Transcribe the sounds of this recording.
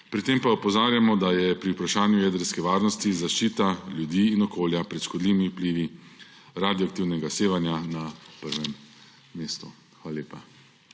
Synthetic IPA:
pɾit̪empaɔpɔzaːɾjamɔd̪ajɛpɾiupɾaʃaːnjujɛːd̪əɾskɛʋaːɾnɔst̪izaʃt͡ʃiːt̪aljud̪iːnɔkoːljapɾɛt̪ʃkɔd̪liːʋimiwpliːʋi | ɾad̪jɔak̚t̪iːwnɛɡaseːʋanjanapəɾʋɛmː | eːst̪u | xʋaːlaleːpa

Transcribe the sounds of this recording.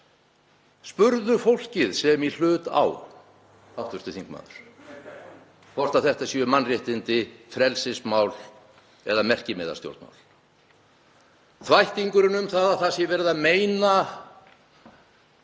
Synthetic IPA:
spʏɾðʏfowl̥cɪðsɛmil̥ʏːt̪a̰w | awht̪ʏst̪ʏθiŋkma̰ːðʏɾ̥ | fʰɔr̥t̪aθɛht̪asjœmanːrjɪht̪ɪnt̪ɪfɾɛlsɪsmaːwl | ɛðamɛr̥cɪmɛða̰̥st̪jo̰wɾt̪ma̰wl | θvajht̪iŋkʏɾɪnʏmθaðaθasjɛvɛːɾɪðaðmeːjna

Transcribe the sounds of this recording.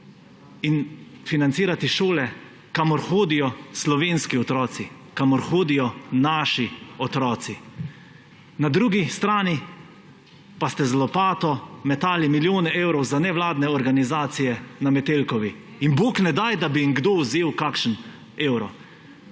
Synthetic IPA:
in | finant̪siːɾat̪iʃoːlɛ | kamɔɾxoːd̪ijɔslɔʋeːnskiɔt̪ɾɔːt̪si | kamɔɾxoːd̪ijɔnaːʃiɔt̪ɾɔːt̪si | nad̪ɾuːɡist̪ɾaːni | past̪ɛzlɔpaːt̪ɔmɛt̪aːlimiljoːnɛewɾɔwzanɛʋlaːd̪nɛɔɾɡanizaːt̪sijɛnamɛt̪elkɔʋi | inboːknɛd̪ajd̪abiiŋɡd̪ouzeːwkakʃən | eːwɾɔ

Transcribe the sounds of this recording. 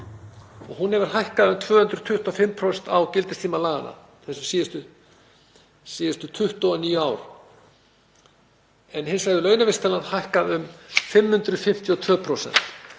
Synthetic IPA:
ɔɣɦunhɛvʏɾ̥hajhkaðʏmt̪ʰvœːhʏnt̪ɾʏ̥t̪ʰʏht̪ɔfɪmːpʰɾosɛnt̪awcɪlt̪ɪst̪ʰiːmalaːɣanːa̰ | θɛsʏsiːjɪst̪ʏ | siːðɪst̪ʏt̪ʰʏht̪ɔːniːjʏaːwɾ̥ | ɛnhɪnsvajɣðʏlœːɥnavɪst̪ʰɛlanhajhkaðʏmfɪmhʏnt̪ɾʏfɪm̥t̪ʰiɔt̪ʰv̥œːpʰɾowsɛ̰n̥t̪

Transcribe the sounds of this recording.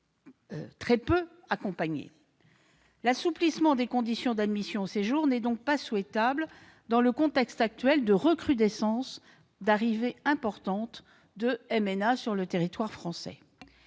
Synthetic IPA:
t̪χɛpø | akɔ̃paɲḛ | lasuplismɑ̃d̪ekɔ̃d̪isjɔ̃d̪ad̪misjɔ̃oseʒuʁnɛd̪ɔ̃k̚paswɛt̪abl | d̪ɑ̃ləkɔ̃t̪ɛkst̪ak̚t̪ɥɛld̪əʁəkχyd̪ɛsɑ̃s | d̪aʁiveɛ̃pɔʁt̪ɑ̃t̪ | d̪əɛmɛnasyʁlət̪eʁit̪waʁfχɑ̃sɛ̰

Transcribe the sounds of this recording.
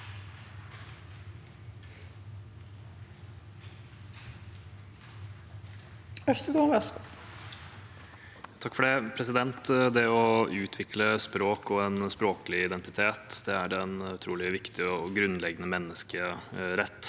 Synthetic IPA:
œʂt̪əɡ̪oːmɛs | t̪ʰɑkːfɔɖɛpʰɾɛsɪd̪ɛnt̪d̪ɛɔʉːt̪ʰʋɪkləspɾoːkɔeːnspɾoːkəlɪɪd̪ɛnt̪ɪt̪ʰeːt̪d̪ɛæɾɛnʉt̪ʰɾuːlɪʋɪkt̪ɪɔɡɾʉnːlɛɡənəmɛnːəskəɾɛt̪ː

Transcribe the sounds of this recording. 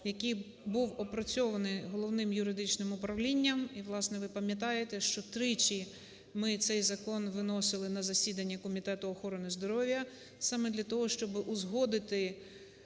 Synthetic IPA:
jɐkij | buwɔpɾɔt͡sʲɔʋɐnɪjɦɔlˠɔwnɪmjʊɾɪd̪ɪt͡ʃnɪmʊpɾɐʋlʲinʲːɐmiʋlˠɑsnɛʋɪpɐmʲjɐt̪̬ɑjet̪ɛʃt͡ʃɔt̪ɾɪt͡ʃʲi | mɪt̪sɛjzɐkɔnʋɪnɔsɪlˠɪnɐzɐsʲid̪ɐnʲːɐkɔmʲit̪ɛt̪ʊɔxɔɾɔnɪzd̪ɔɾɔʋʲjɐ | sɑmɛd̪lʲɐt̪ɔɦɔʃt͡ʃɔbɪʔʊzɦɔd̪ɪt̪ɪ

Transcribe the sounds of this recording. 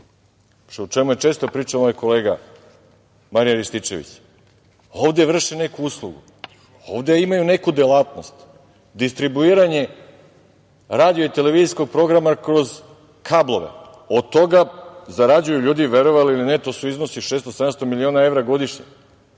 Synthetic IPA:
ʃut͡ʃe̞mujet͡ʃe̞ːst̪o̞pɾiːt͡ʂamoːjko̞le̞ːɡa | maɾijaɾiʃt̪it͡ʃe̞̰ʋḭt͡ɕ | o̞ʋd̪e̞ʋr̩ʃine̞kuuslˠuɡṵ | o̞̰ːʋd̪e̞imajune̞kud̪elat̪no̞st̪ | d̪ist̪ɾibuiːɾaɲe̞ | ɾaːd̪ijoit̪e̞le̞ʋiːzisko̞ɡ̚pɾo̞ɡɾamakɾo̞z | kʰablo̞ʋḛ | od̪̚t̪ːo̞ɡazaɾad͡ʑujuʎuːd̪iʋeɾo̞ʋaliːlinet̪o̞ːsuizno̞siʃeːst̪osed̪amst̪o̞milio̞ːnae̞vɾaɡo̞d̪iʃɲe

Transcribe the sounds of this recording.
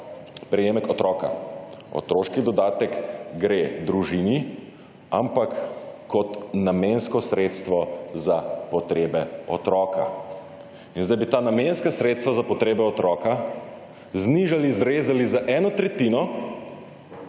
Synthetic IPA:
pɾɛjeːmɛkɔt̪ɾɔːka̰ɔ̰t̪ɾoːʃkid̪ɔd̪aːt̪ɛkɡɾeːd̪ɾuʒini | a̰mpakːɔt̪namenskɔsɾeːt̪st̪ʋɔzapɔt̪ɾeːbɛɔt̪ɾɔːkʰa̰ | inzd̪ajbit̪aːnamenskasɾeːt̪st̪ʋazapɔt̪ɾeːbɛɔt̪ɾɔːka | zniʒalizɾeːzalizaʔɛːnɔt̪ɾɛt̪iːnɔ

